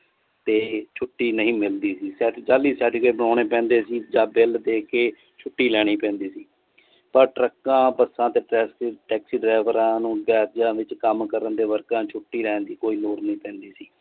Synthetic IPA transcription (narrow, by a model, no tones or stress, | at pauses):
t̪eːt͡ʃʰʊʈːiːnəɦĩːmɪld̪iːsiːsɛːʈːd͡ʒaːliːsɛːʈ̪ikeːbəɳaːɽ̃eːpɛ̃ːnd̪eːsiːd͡ʒãːbɪld̪eːkeː | t͡ʃʰʊʈːiːlɛːɽ̃iːpɛ̃ːnd̪iːsiː | pəɾʈɾəkːãːpəsãːt̪eːʈɛːsʈɛːksiːɖɾaːʋəɾãːnũːɡɛːt̪d͡ʒãːʋɪt͡ʃkəmkəɾənd̪eːʋəɾkãːt͡ʃʰʊʈːiːɾɛːnd̪iːkoːiːloːɾnəĩːpɛ̃ːnd̪iːsiː